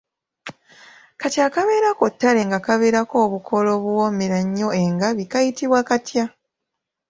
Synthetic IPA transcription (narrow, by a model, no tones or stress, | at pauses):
katiakaβe̞ːɾako̞tːale̞ŋɡakaβe̞ːɾako̞ːβukʰo̞lo̞ːβuwo̞meɾaɲːo̞e̞ŋɡaβikajitiβwakatja